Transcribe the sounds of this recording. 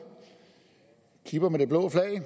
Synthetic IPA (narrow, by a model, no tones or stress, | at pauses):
kʰib̥ɐmed̥e̝b̥lɔ̰ːflɛɪ